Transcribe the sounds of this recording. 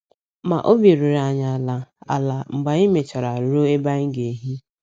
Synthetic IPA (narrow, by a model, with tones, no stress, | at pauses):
ma˨ʔo˦bi˨ɾu˨ɾa˨ɲa˨la˨a˨la˨ŋ͡m̩˨ɡ͡ba˨i˦me˨t͡ʃa˨ɾa˨ɾo˦e˦ba˦ŋ̩˦ɡe˨ɦi˦